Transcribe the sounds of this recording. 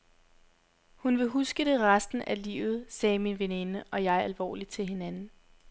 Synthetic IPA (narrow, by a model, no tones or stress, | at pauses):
hunʋe̝ɦusɡ̥əɾ̥e̝ʁasd̥n̩ʔælḭːʊð̞̩ˠsɛːminʋene̝nəʔɒ̽jɑ̈ɪɐælʋɒ̰ːli̥t͡sʰe̝lɦe̝nænn̩